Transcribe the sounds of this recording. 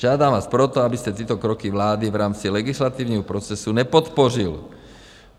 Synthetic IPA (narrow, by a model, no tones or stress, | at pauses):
ad̪aːmʋaːspɾɔt̪ɔabisc̪ɛt̪ɪɛːt̪ɔkɾɔkiʋlaːd̪iʋɾaːmt͡silɛɡislat̪iːʊɲɛɦɔpɾɔt͡sɛsuɲɛpɔt̪pɔril